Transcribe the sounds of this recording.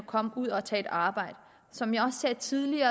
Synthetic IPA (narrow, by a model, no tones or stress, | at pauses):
ɒkʰɒ̽m̰uð̰ˠɒ̽t͡sʰɛ̰ːe̝d̥ɑ̈ːb̥ɑ̈ɪ̰d̥ | sɒ̽mjɑɒ̽sːɛːd̥t͡sʰiðˠliɐː